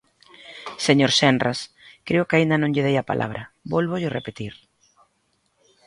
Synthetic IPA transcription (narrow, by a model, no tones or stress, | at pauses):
seɲoɾsɛndras | kɾeʊkaind̪ɐnõŋʎɪðejapa̰lʔa̰β̞ɾɐbolβoʎɪrepet̪iɾ